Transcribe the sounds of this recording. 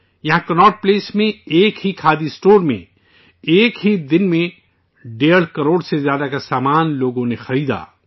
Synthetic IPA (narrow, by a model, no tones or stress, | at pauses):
jɐɦãkɐnɔːʈ̚pleːsmẽeːkɦikʰaːd̪isʈoːɾmḛ̃ | eːkɦid̪ɪnmẽ | ɖeːəɽkɐɾoːɽsezjaːd̪akasaːmaːnloːɡõnexɐɾiːd̪a̰ː